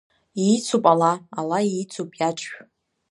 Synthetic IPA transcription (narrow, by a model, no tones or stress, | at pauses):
it͡sʰupʼalaalait͡sʰupʼjat͡ʃʼʃᶣ